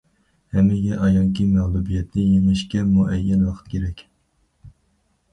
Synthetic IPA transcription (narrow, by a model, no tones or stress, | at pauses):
hɛmːɪɡʲɛʔɑjɑŋkʲimɛʁlˠubijɛt̪nɪjemɪʃkʲɛmuʔɛjːɛnwɑqʰə̥t̪̚kʲeɾɛkʲ